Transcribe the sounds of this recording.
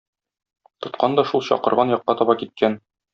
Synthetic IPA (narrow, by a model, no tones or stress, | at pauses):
t̪ŏt̪qɑnd̪ɒʃulˠɕɒ̰qɤ̆ɾʁɑnjɒqːɑt̪ɒbɑkit̪̚kʰæn